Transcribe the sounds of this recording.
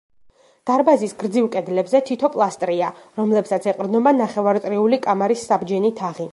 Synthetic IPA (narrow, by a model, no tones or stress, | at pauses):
d̪̥aɾbazisɡɾd̪zilkʼɛd̪lɛbzɛt̪ʰit̪ʰɔpʼlˠast̪ʼɾiaɾɔmlɛpsat̪sʰɛqʼɾd̪nɔbanaχɛvaɾt̪ʼɾiulikʼamaɾisːabd͡ʒɛnit̪ʰaʁi